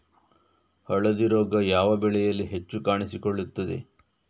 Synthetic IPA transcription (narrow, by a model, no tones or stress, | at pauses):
hɐɭɐd̪iɾoːɡɐjaːʋɐbɛɭɛjɐlːiɦe̞t͡ʃːukaːɳisikoɭːut̪ːɐd̪ḛ